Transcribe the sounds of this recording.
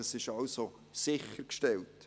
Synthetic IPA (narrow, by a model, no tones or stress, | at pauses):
ɑsɪʃɑlso | sɪχəɾkʃtɛlt